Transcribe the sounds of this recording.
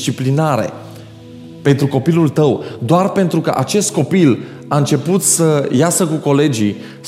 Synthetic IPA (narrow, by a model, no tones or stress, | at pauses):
t͡ʃiplinaɾe̞̰ | pe̞nt̪ɾuko̞pilult̪əwd̪oarpe̞nt̪ɾukəʔat͡ʃe̞st̪̚ko̞pil | aɨnt͡ʃe̞put̪səjasəkuko̞le̞d͡ʒi